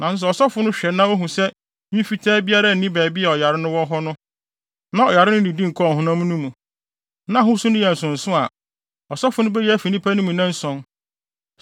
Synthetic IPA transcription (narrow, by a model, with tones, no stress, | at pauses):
nã˨sʊ˦s̬ɛ˨ɔ˨sɔ˦fʊ˨˦nʊ̃˦ɕᶣɛ˨nã˦o˦ɦũ˨sɛ˦ | ɲĩ˦fi˦tʰɛː˦bi˦a˦ɾa˦n̩˨nĩ˦bæː˨bi˦ɛ˨ɔ˨ja˨ɾɪ˦nʊ̃˦wɔ˦ɦɔ˦nʊ̃˦ | nã˦ɔ˨ja˨ɾɪ˦nʊ̃˦nĩ˨dĩ˦ŋ̩˨kʰɔ˦˨ɦʊ̃˦nã˦mũ˦nũ˦mũ˨ | nã˦ɦʊ̃˦sʊ˦nʊ̃˦jɛ˨n̩˨sʊ̃˨n̩˨sʊ̃˦a˨ | ɔ˨sɔ˦fʊ˨nʊ̃˦bɛ˦jɛ˦æ˦fi˨nĩ˦pʰa˦nũ˦mũ˨nã˦n̩˦sɔ̃˦n